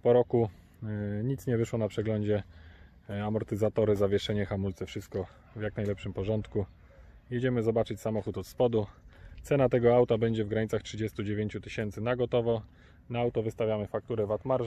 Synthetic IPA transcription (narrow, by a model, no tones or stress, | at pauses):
pɔɾɔku | ɲit̪sɲɛvɘʂwɔnapʂɛɡlɔɲd͡ʑɛ | amɔɾt̪ɘzat̪ɔɾɘzavʲjɛʂɛɲɛxamult̪sɛfʂɘst̪̚kɔ | vjaknajlɛpʂɘmpɔʐɔnt̪ku | jɛd͡ʑɛmɘzɔbat͡ʂɘt͡ɕsamɔxut̪ɔt̪spɔd̪ut̪sɛnat̪ɛɡɔawt̪abɛɲd͡ʑɛvɡɾaɲit̪saxtʂɘd͡ʑɛst̪ud͡ʑevʲjeɲt͡ɕut̪ɘɕɛnt̪sɘnaɡɔt̪ɔvɔ | naawt̪ɔvɘst̪avʲjamɘfak̚t̪uɾɛvat̪maɾʐ